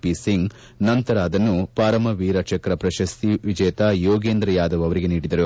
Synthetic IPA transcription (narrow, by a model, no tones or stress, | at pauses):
pisiŋɡ | nɐnt̪ɐɾaːd̪ɐnːupaːɾɐmɐʋiːɾɐt͡ʃɐkɾɐpɾɐʃɐst̪iʋid͡ʒɛːɐt̪ajoːɡeːnd̪ɾɐjaːd̪ɐʋɐʋɐɾiɡe̞niːɽid̪ɐɾu